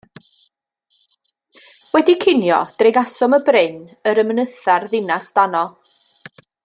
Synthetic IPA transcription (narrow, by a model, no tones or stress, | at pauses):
wɛdikʰɪnjɔ̰d̥rɪɡasɔməbrɪnəɾəmənəθarðɪnasd̥anɔ